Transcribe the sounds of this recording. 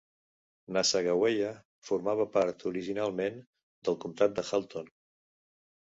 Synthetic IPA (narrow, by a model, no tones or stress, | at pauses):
nasəɣəwejə | fuɾmaβ̞əpaɾt̪uɾiʒinalˠmen | d̪əlˠkumt̪at̪̚d̪əxalˠt̪on